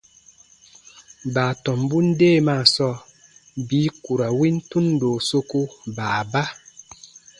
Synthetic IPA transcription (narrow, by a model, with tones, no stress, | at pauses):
baː˨tɔ˨mbu˦n̩˦deː˦˨ma˦˨sɔ˦ | biː˨˦ku˨ɾa˨wi˦n̩˦tu˦n˦doː˨so˦ku˦baː˨ba˦